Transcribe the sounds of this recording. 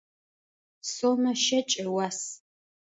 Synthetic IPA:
somɐʃɐt͡ʃʼɐwaːs

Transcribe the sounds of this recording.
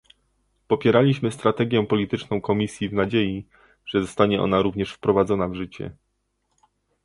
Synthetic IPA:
pɔpʲjɛɾalʲiɕmɘst̪ɾat̪ɛɡʲjɛpɔlʲit̪ɘt͡ʂnɔ̃w̃kɔmʲisʲjivnad͡ʑeji | ʐ̥ɛzɔst̪aɲɛʔɔ̰naɾuvɲɛʂfpɾɔvad̪zɔnavʐɘt͡ɕɛ̰

